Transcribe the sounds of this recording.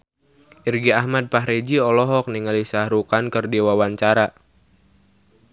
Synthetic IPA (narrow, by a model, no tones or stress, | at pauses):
ʔirɡiahmad̚paɦɾed͡ʒiɔlɔɦɔk̚niŋalisahɾukankɨrdiwawaɲt͡ʃaɾa